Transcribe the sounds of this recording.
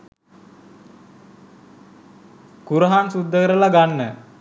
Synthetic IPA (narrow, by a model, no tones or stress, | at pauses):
kuɾəɦansud̪ʱːəkəɾəlaɡanːə